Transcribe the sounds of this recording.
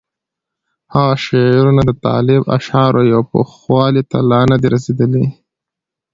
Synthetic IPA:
haɣaʃeɾunad̪ət̪ɑ̰lɪba̰ʃɑɾʔojawpo̰xwɑlit̪a̰lɑnad̪iɾased̪əli

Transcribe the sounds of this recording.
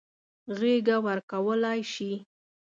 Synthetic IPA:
ɣeɡawəɾkawəlajʃi

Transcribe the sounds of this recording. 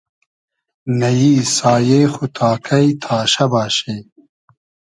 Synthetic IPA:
nɐjiːsaːjejxut̪ʰaːkʰɐjt̪ʰaːɕɐbaːɕej

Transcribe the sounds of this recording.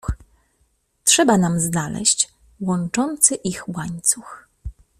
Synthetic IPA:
tʂɛbanamznalɛ̰ɕt͡ɕ | wɔnt͡ʂɔnt̪sɘʔixwaɲt̪sux

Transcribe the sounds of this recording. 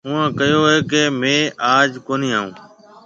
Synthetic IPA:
ũːẽːkəjoːeːkeːmẽːʔaːd͡ʒkoːniːaːɦũː

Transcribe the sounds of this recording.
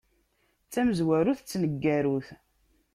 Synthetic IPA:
t͡sːæməzwæɾuθt͡sːnəɡːæɾuθ

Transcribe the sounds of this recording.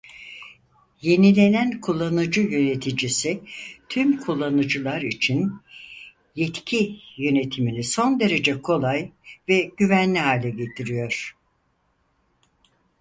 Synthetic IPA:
je̞nilʲe̞nænkʰulˠːanɯd͡ʒɯjø̞ne̞t̪ʰid͡ʒisit̪ʰymkʰulˠːanɯd͡ʒɯlˠaɾit͡ʃʰin | jɛt̪cʰijø̞ne̞t̪ʰiminʲiso̞nd̪e̞ɾe̞d͡ʒɛkʰo̞lˠajvɛɟ̥yvænlʲiɦaːlʲɛɟe̞t̪ʰiɾijo̞ɾ̥

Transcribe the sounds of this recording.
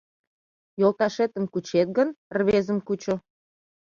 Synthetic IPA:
jolt̪ɑʃet̪əmkut͡ɕet̪̚ɡənrβezəmkut͡ɕo

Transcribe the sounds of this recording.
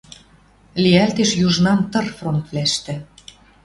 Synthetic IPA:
liælt̪eʃjuʒnɑmt̪ɤ̆rfront̪βlæʃt̪ɘ̆

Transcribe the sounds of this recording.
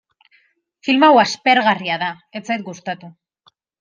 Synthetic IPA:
filmawaspe̞ɾɣariaða | et͡sajt̪̚ɡust̪at̪u

